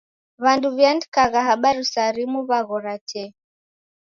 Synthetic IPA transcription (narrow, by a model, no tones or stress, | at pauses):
βanduβjandkaɣaɦaɓaɾusaɾimuβaɣɔɾatʰɛ